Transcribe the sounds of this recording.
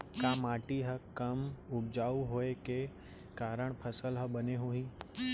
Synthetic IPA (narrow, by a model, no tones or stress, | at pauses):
kãːmaːʈiɦɐkɐmʊbd͡ʒaːuɦoːeke | kaːɾəɽ̃pʰɐsəlɦəbɐneɦoiː